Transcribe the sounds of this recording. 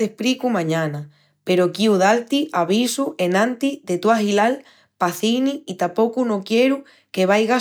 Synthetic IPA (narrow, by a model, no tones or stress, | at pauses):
ehpɾikumãɲãna | pe̞ɾokiuðalt̪iʔaβisuʔe̞nãnt̪iðe̞t̪uaxilal | paθiniit̪apo̞kuno̞kje̞ɾu | ke̞βajɣa